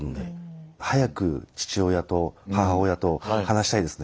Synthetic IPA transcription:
nod̪ehajakɯ̟̰t͡ɕi̥t͡ɕio̞jat̪o̞haɦaojat̪o̞hanaɕi̥t̪aid̪e̞sɨ̥n

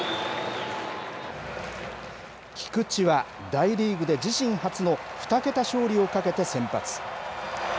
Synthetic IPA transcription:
kʲʰi̥kɯ̟t͡ɕiβa | d̪aiɾʲiːɡɯ̟d̪e̞d͡ʑiɕĩɰ̃hat͡sɨno̞ɸɯ̟̥t̪ake̞t̪aɕo̞ːɾʲio̞kake̞t̪e̞sẽ̞mpat͡sɨ̥

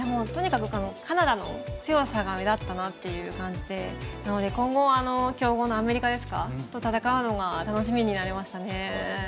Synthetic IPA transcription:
d̪emo̞ːt̪o̞ɲ̟ikakɯ̟kono̞kʰanad̪ano̞t͡sɨjo̞saɡamed̪at̪ːanat̪ːe̞jɯ̟ːkãɲ̟d͡ʑid̪e̞nano̞d̪e̞kõ̞ŋɡo̞βaːno̞kʲo̞ːɡo̞ːno̞ame̞ɾʲikad̪e̞sɨ̥ka̰t̪ːo̞t̪at̪akaɯ̟no̞ɡat̪ano̞ɕ̬imʲiɲ̟inaɾe̞maɕi̥t̪ane̞

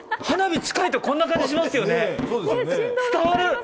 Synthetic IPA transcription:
hanabʲit͡ɕi̥kait̪o̞kõ̞nːakãɲ̟d͡ʑiɕ̬imasɨjo̞ne̞soːd̪et͡sɨ̥t̪aβaɾɯ̟

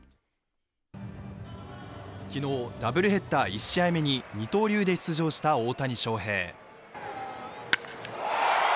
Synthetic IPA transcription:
kʲino̞ːd̪abɯ̟ɾɯ̟ɦe̞t̪ːaːiɕːiaime̞ɲ̟iɲ̟it̪o̞ːɾʲɨːd̪e̞çi̥t͡sɨʑo̞ːɕi̥t̪ao̞ːt̪aɲ̟iɕo̞ːɦe̞̰ː

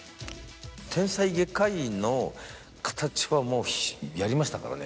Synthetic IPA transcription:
t̪ʰẽ̞ɰ̃saiɡe̞kaino̞ | kʰḁt̪at͡ɕi̥βamo̞ːçjaɾʲimaɕi̥t̪aka̰ɾa̰nḛ

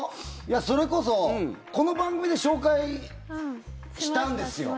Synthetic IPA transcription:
jaso̞ɾe̞ko̞so̞ko̞no̞bãŋɡɯ̟mʲid̪e̞ɕo̞ːkai | ɕi̥t̪ãɯ̟̃nd̪e̞sɨjo̞̰

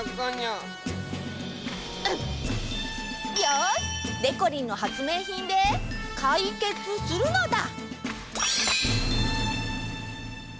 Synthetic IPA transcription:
kaɲa | jad̪e̞ko̞ɾʲĩnːo̞hat͡sɨme̞ːçĩnd̪e̞kʰaike̞t͡sɨsɨɾɯ̟nod̪a̰

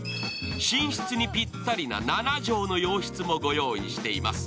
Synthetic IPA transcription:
ɕĩɰ̃ɕi̥t͡sɨɲ̟ipʲit̪ːaɾʲina̰nanaʑo̞ːno̞jo̞ːɕi̥t͡sɨmo̞ɡo̞jo̞ːɲ̟ḭɕi̥t̪e̞ima̰sɨ̥

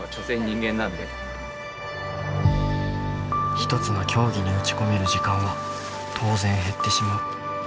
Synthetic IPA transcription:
at͡ɕoːsẽ̞ɲɲːĩŋɡẽ̞nːãnd̪e | çi̥t̪o̞t͡sɨnokʲo̞ːɡʲiɲ̟iot͡ɕi̥ko̞me̞ɾɯ̟ʑikãɰ̃βa | t̪ʰo̞ːzẽ̞ɰ̃ɦe̞t̪ːe̞ɕimaɯ

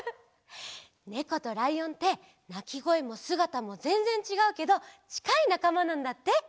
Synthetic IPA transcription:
ne̞ko̞t̪o̞ɾaiõ̞nt̪e̞ | nakʲiɡo̞emo̞sɨɡat̪amo̞zẽ̞ñzẽ̞ɲ̟t͡ɕiɡaɯ̟ke̞d̪o̞t͡ɕi̥kainakamanãnd̪at̪ːe̞

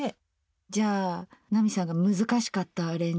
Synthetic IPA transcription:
e | d͡ʑaːnamʲisãŋɡamɯ̟zɨkaɕi̥kat̪ːaːɾẽɲ

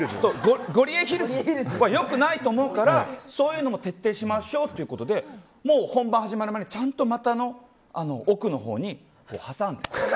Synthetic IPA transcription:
soːɡoɡo̞ɾʲieçiɾɯβajo̞kɯ̟nait̪o̞ːmo̞ɯ̟kaɾaso̞ːjɯ̟ːno̞mo̞t̪e̞t̪ːe̞ːɕimaɕo̞ːt̪ːe̞iɯ̟ko̞t̪o̞d̪e̞ | mo̞ːhõ̞mbãɰ̃haʑimaɾɯ̟manet͡ɕãnt̪o̞mat̪ano̞ | ano̞̰ʔokɯ̟no̞ɦo̞̰ːɲ̟i | ko̞̰ːhasãnd̪e

